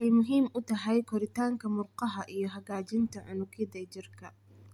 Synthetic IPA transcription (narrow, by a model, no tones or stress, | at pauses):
ɛjmʊɦiːmʔʊt̪ʰɐɦɛjkʰɔɾɪt̪ʰaːŋkʰɐmʊrqɑɦɐʔijɞɦɐɣaːt͡ʃɪnt̪ʰɐʕʊnʊɡʰɪd̪ɐt͡ʃɪrkʰɐ